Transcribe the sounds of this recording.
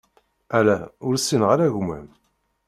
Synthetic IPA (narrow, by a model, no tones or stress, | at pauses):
ælæʊɾsːinʁaɾæʝmæ̰m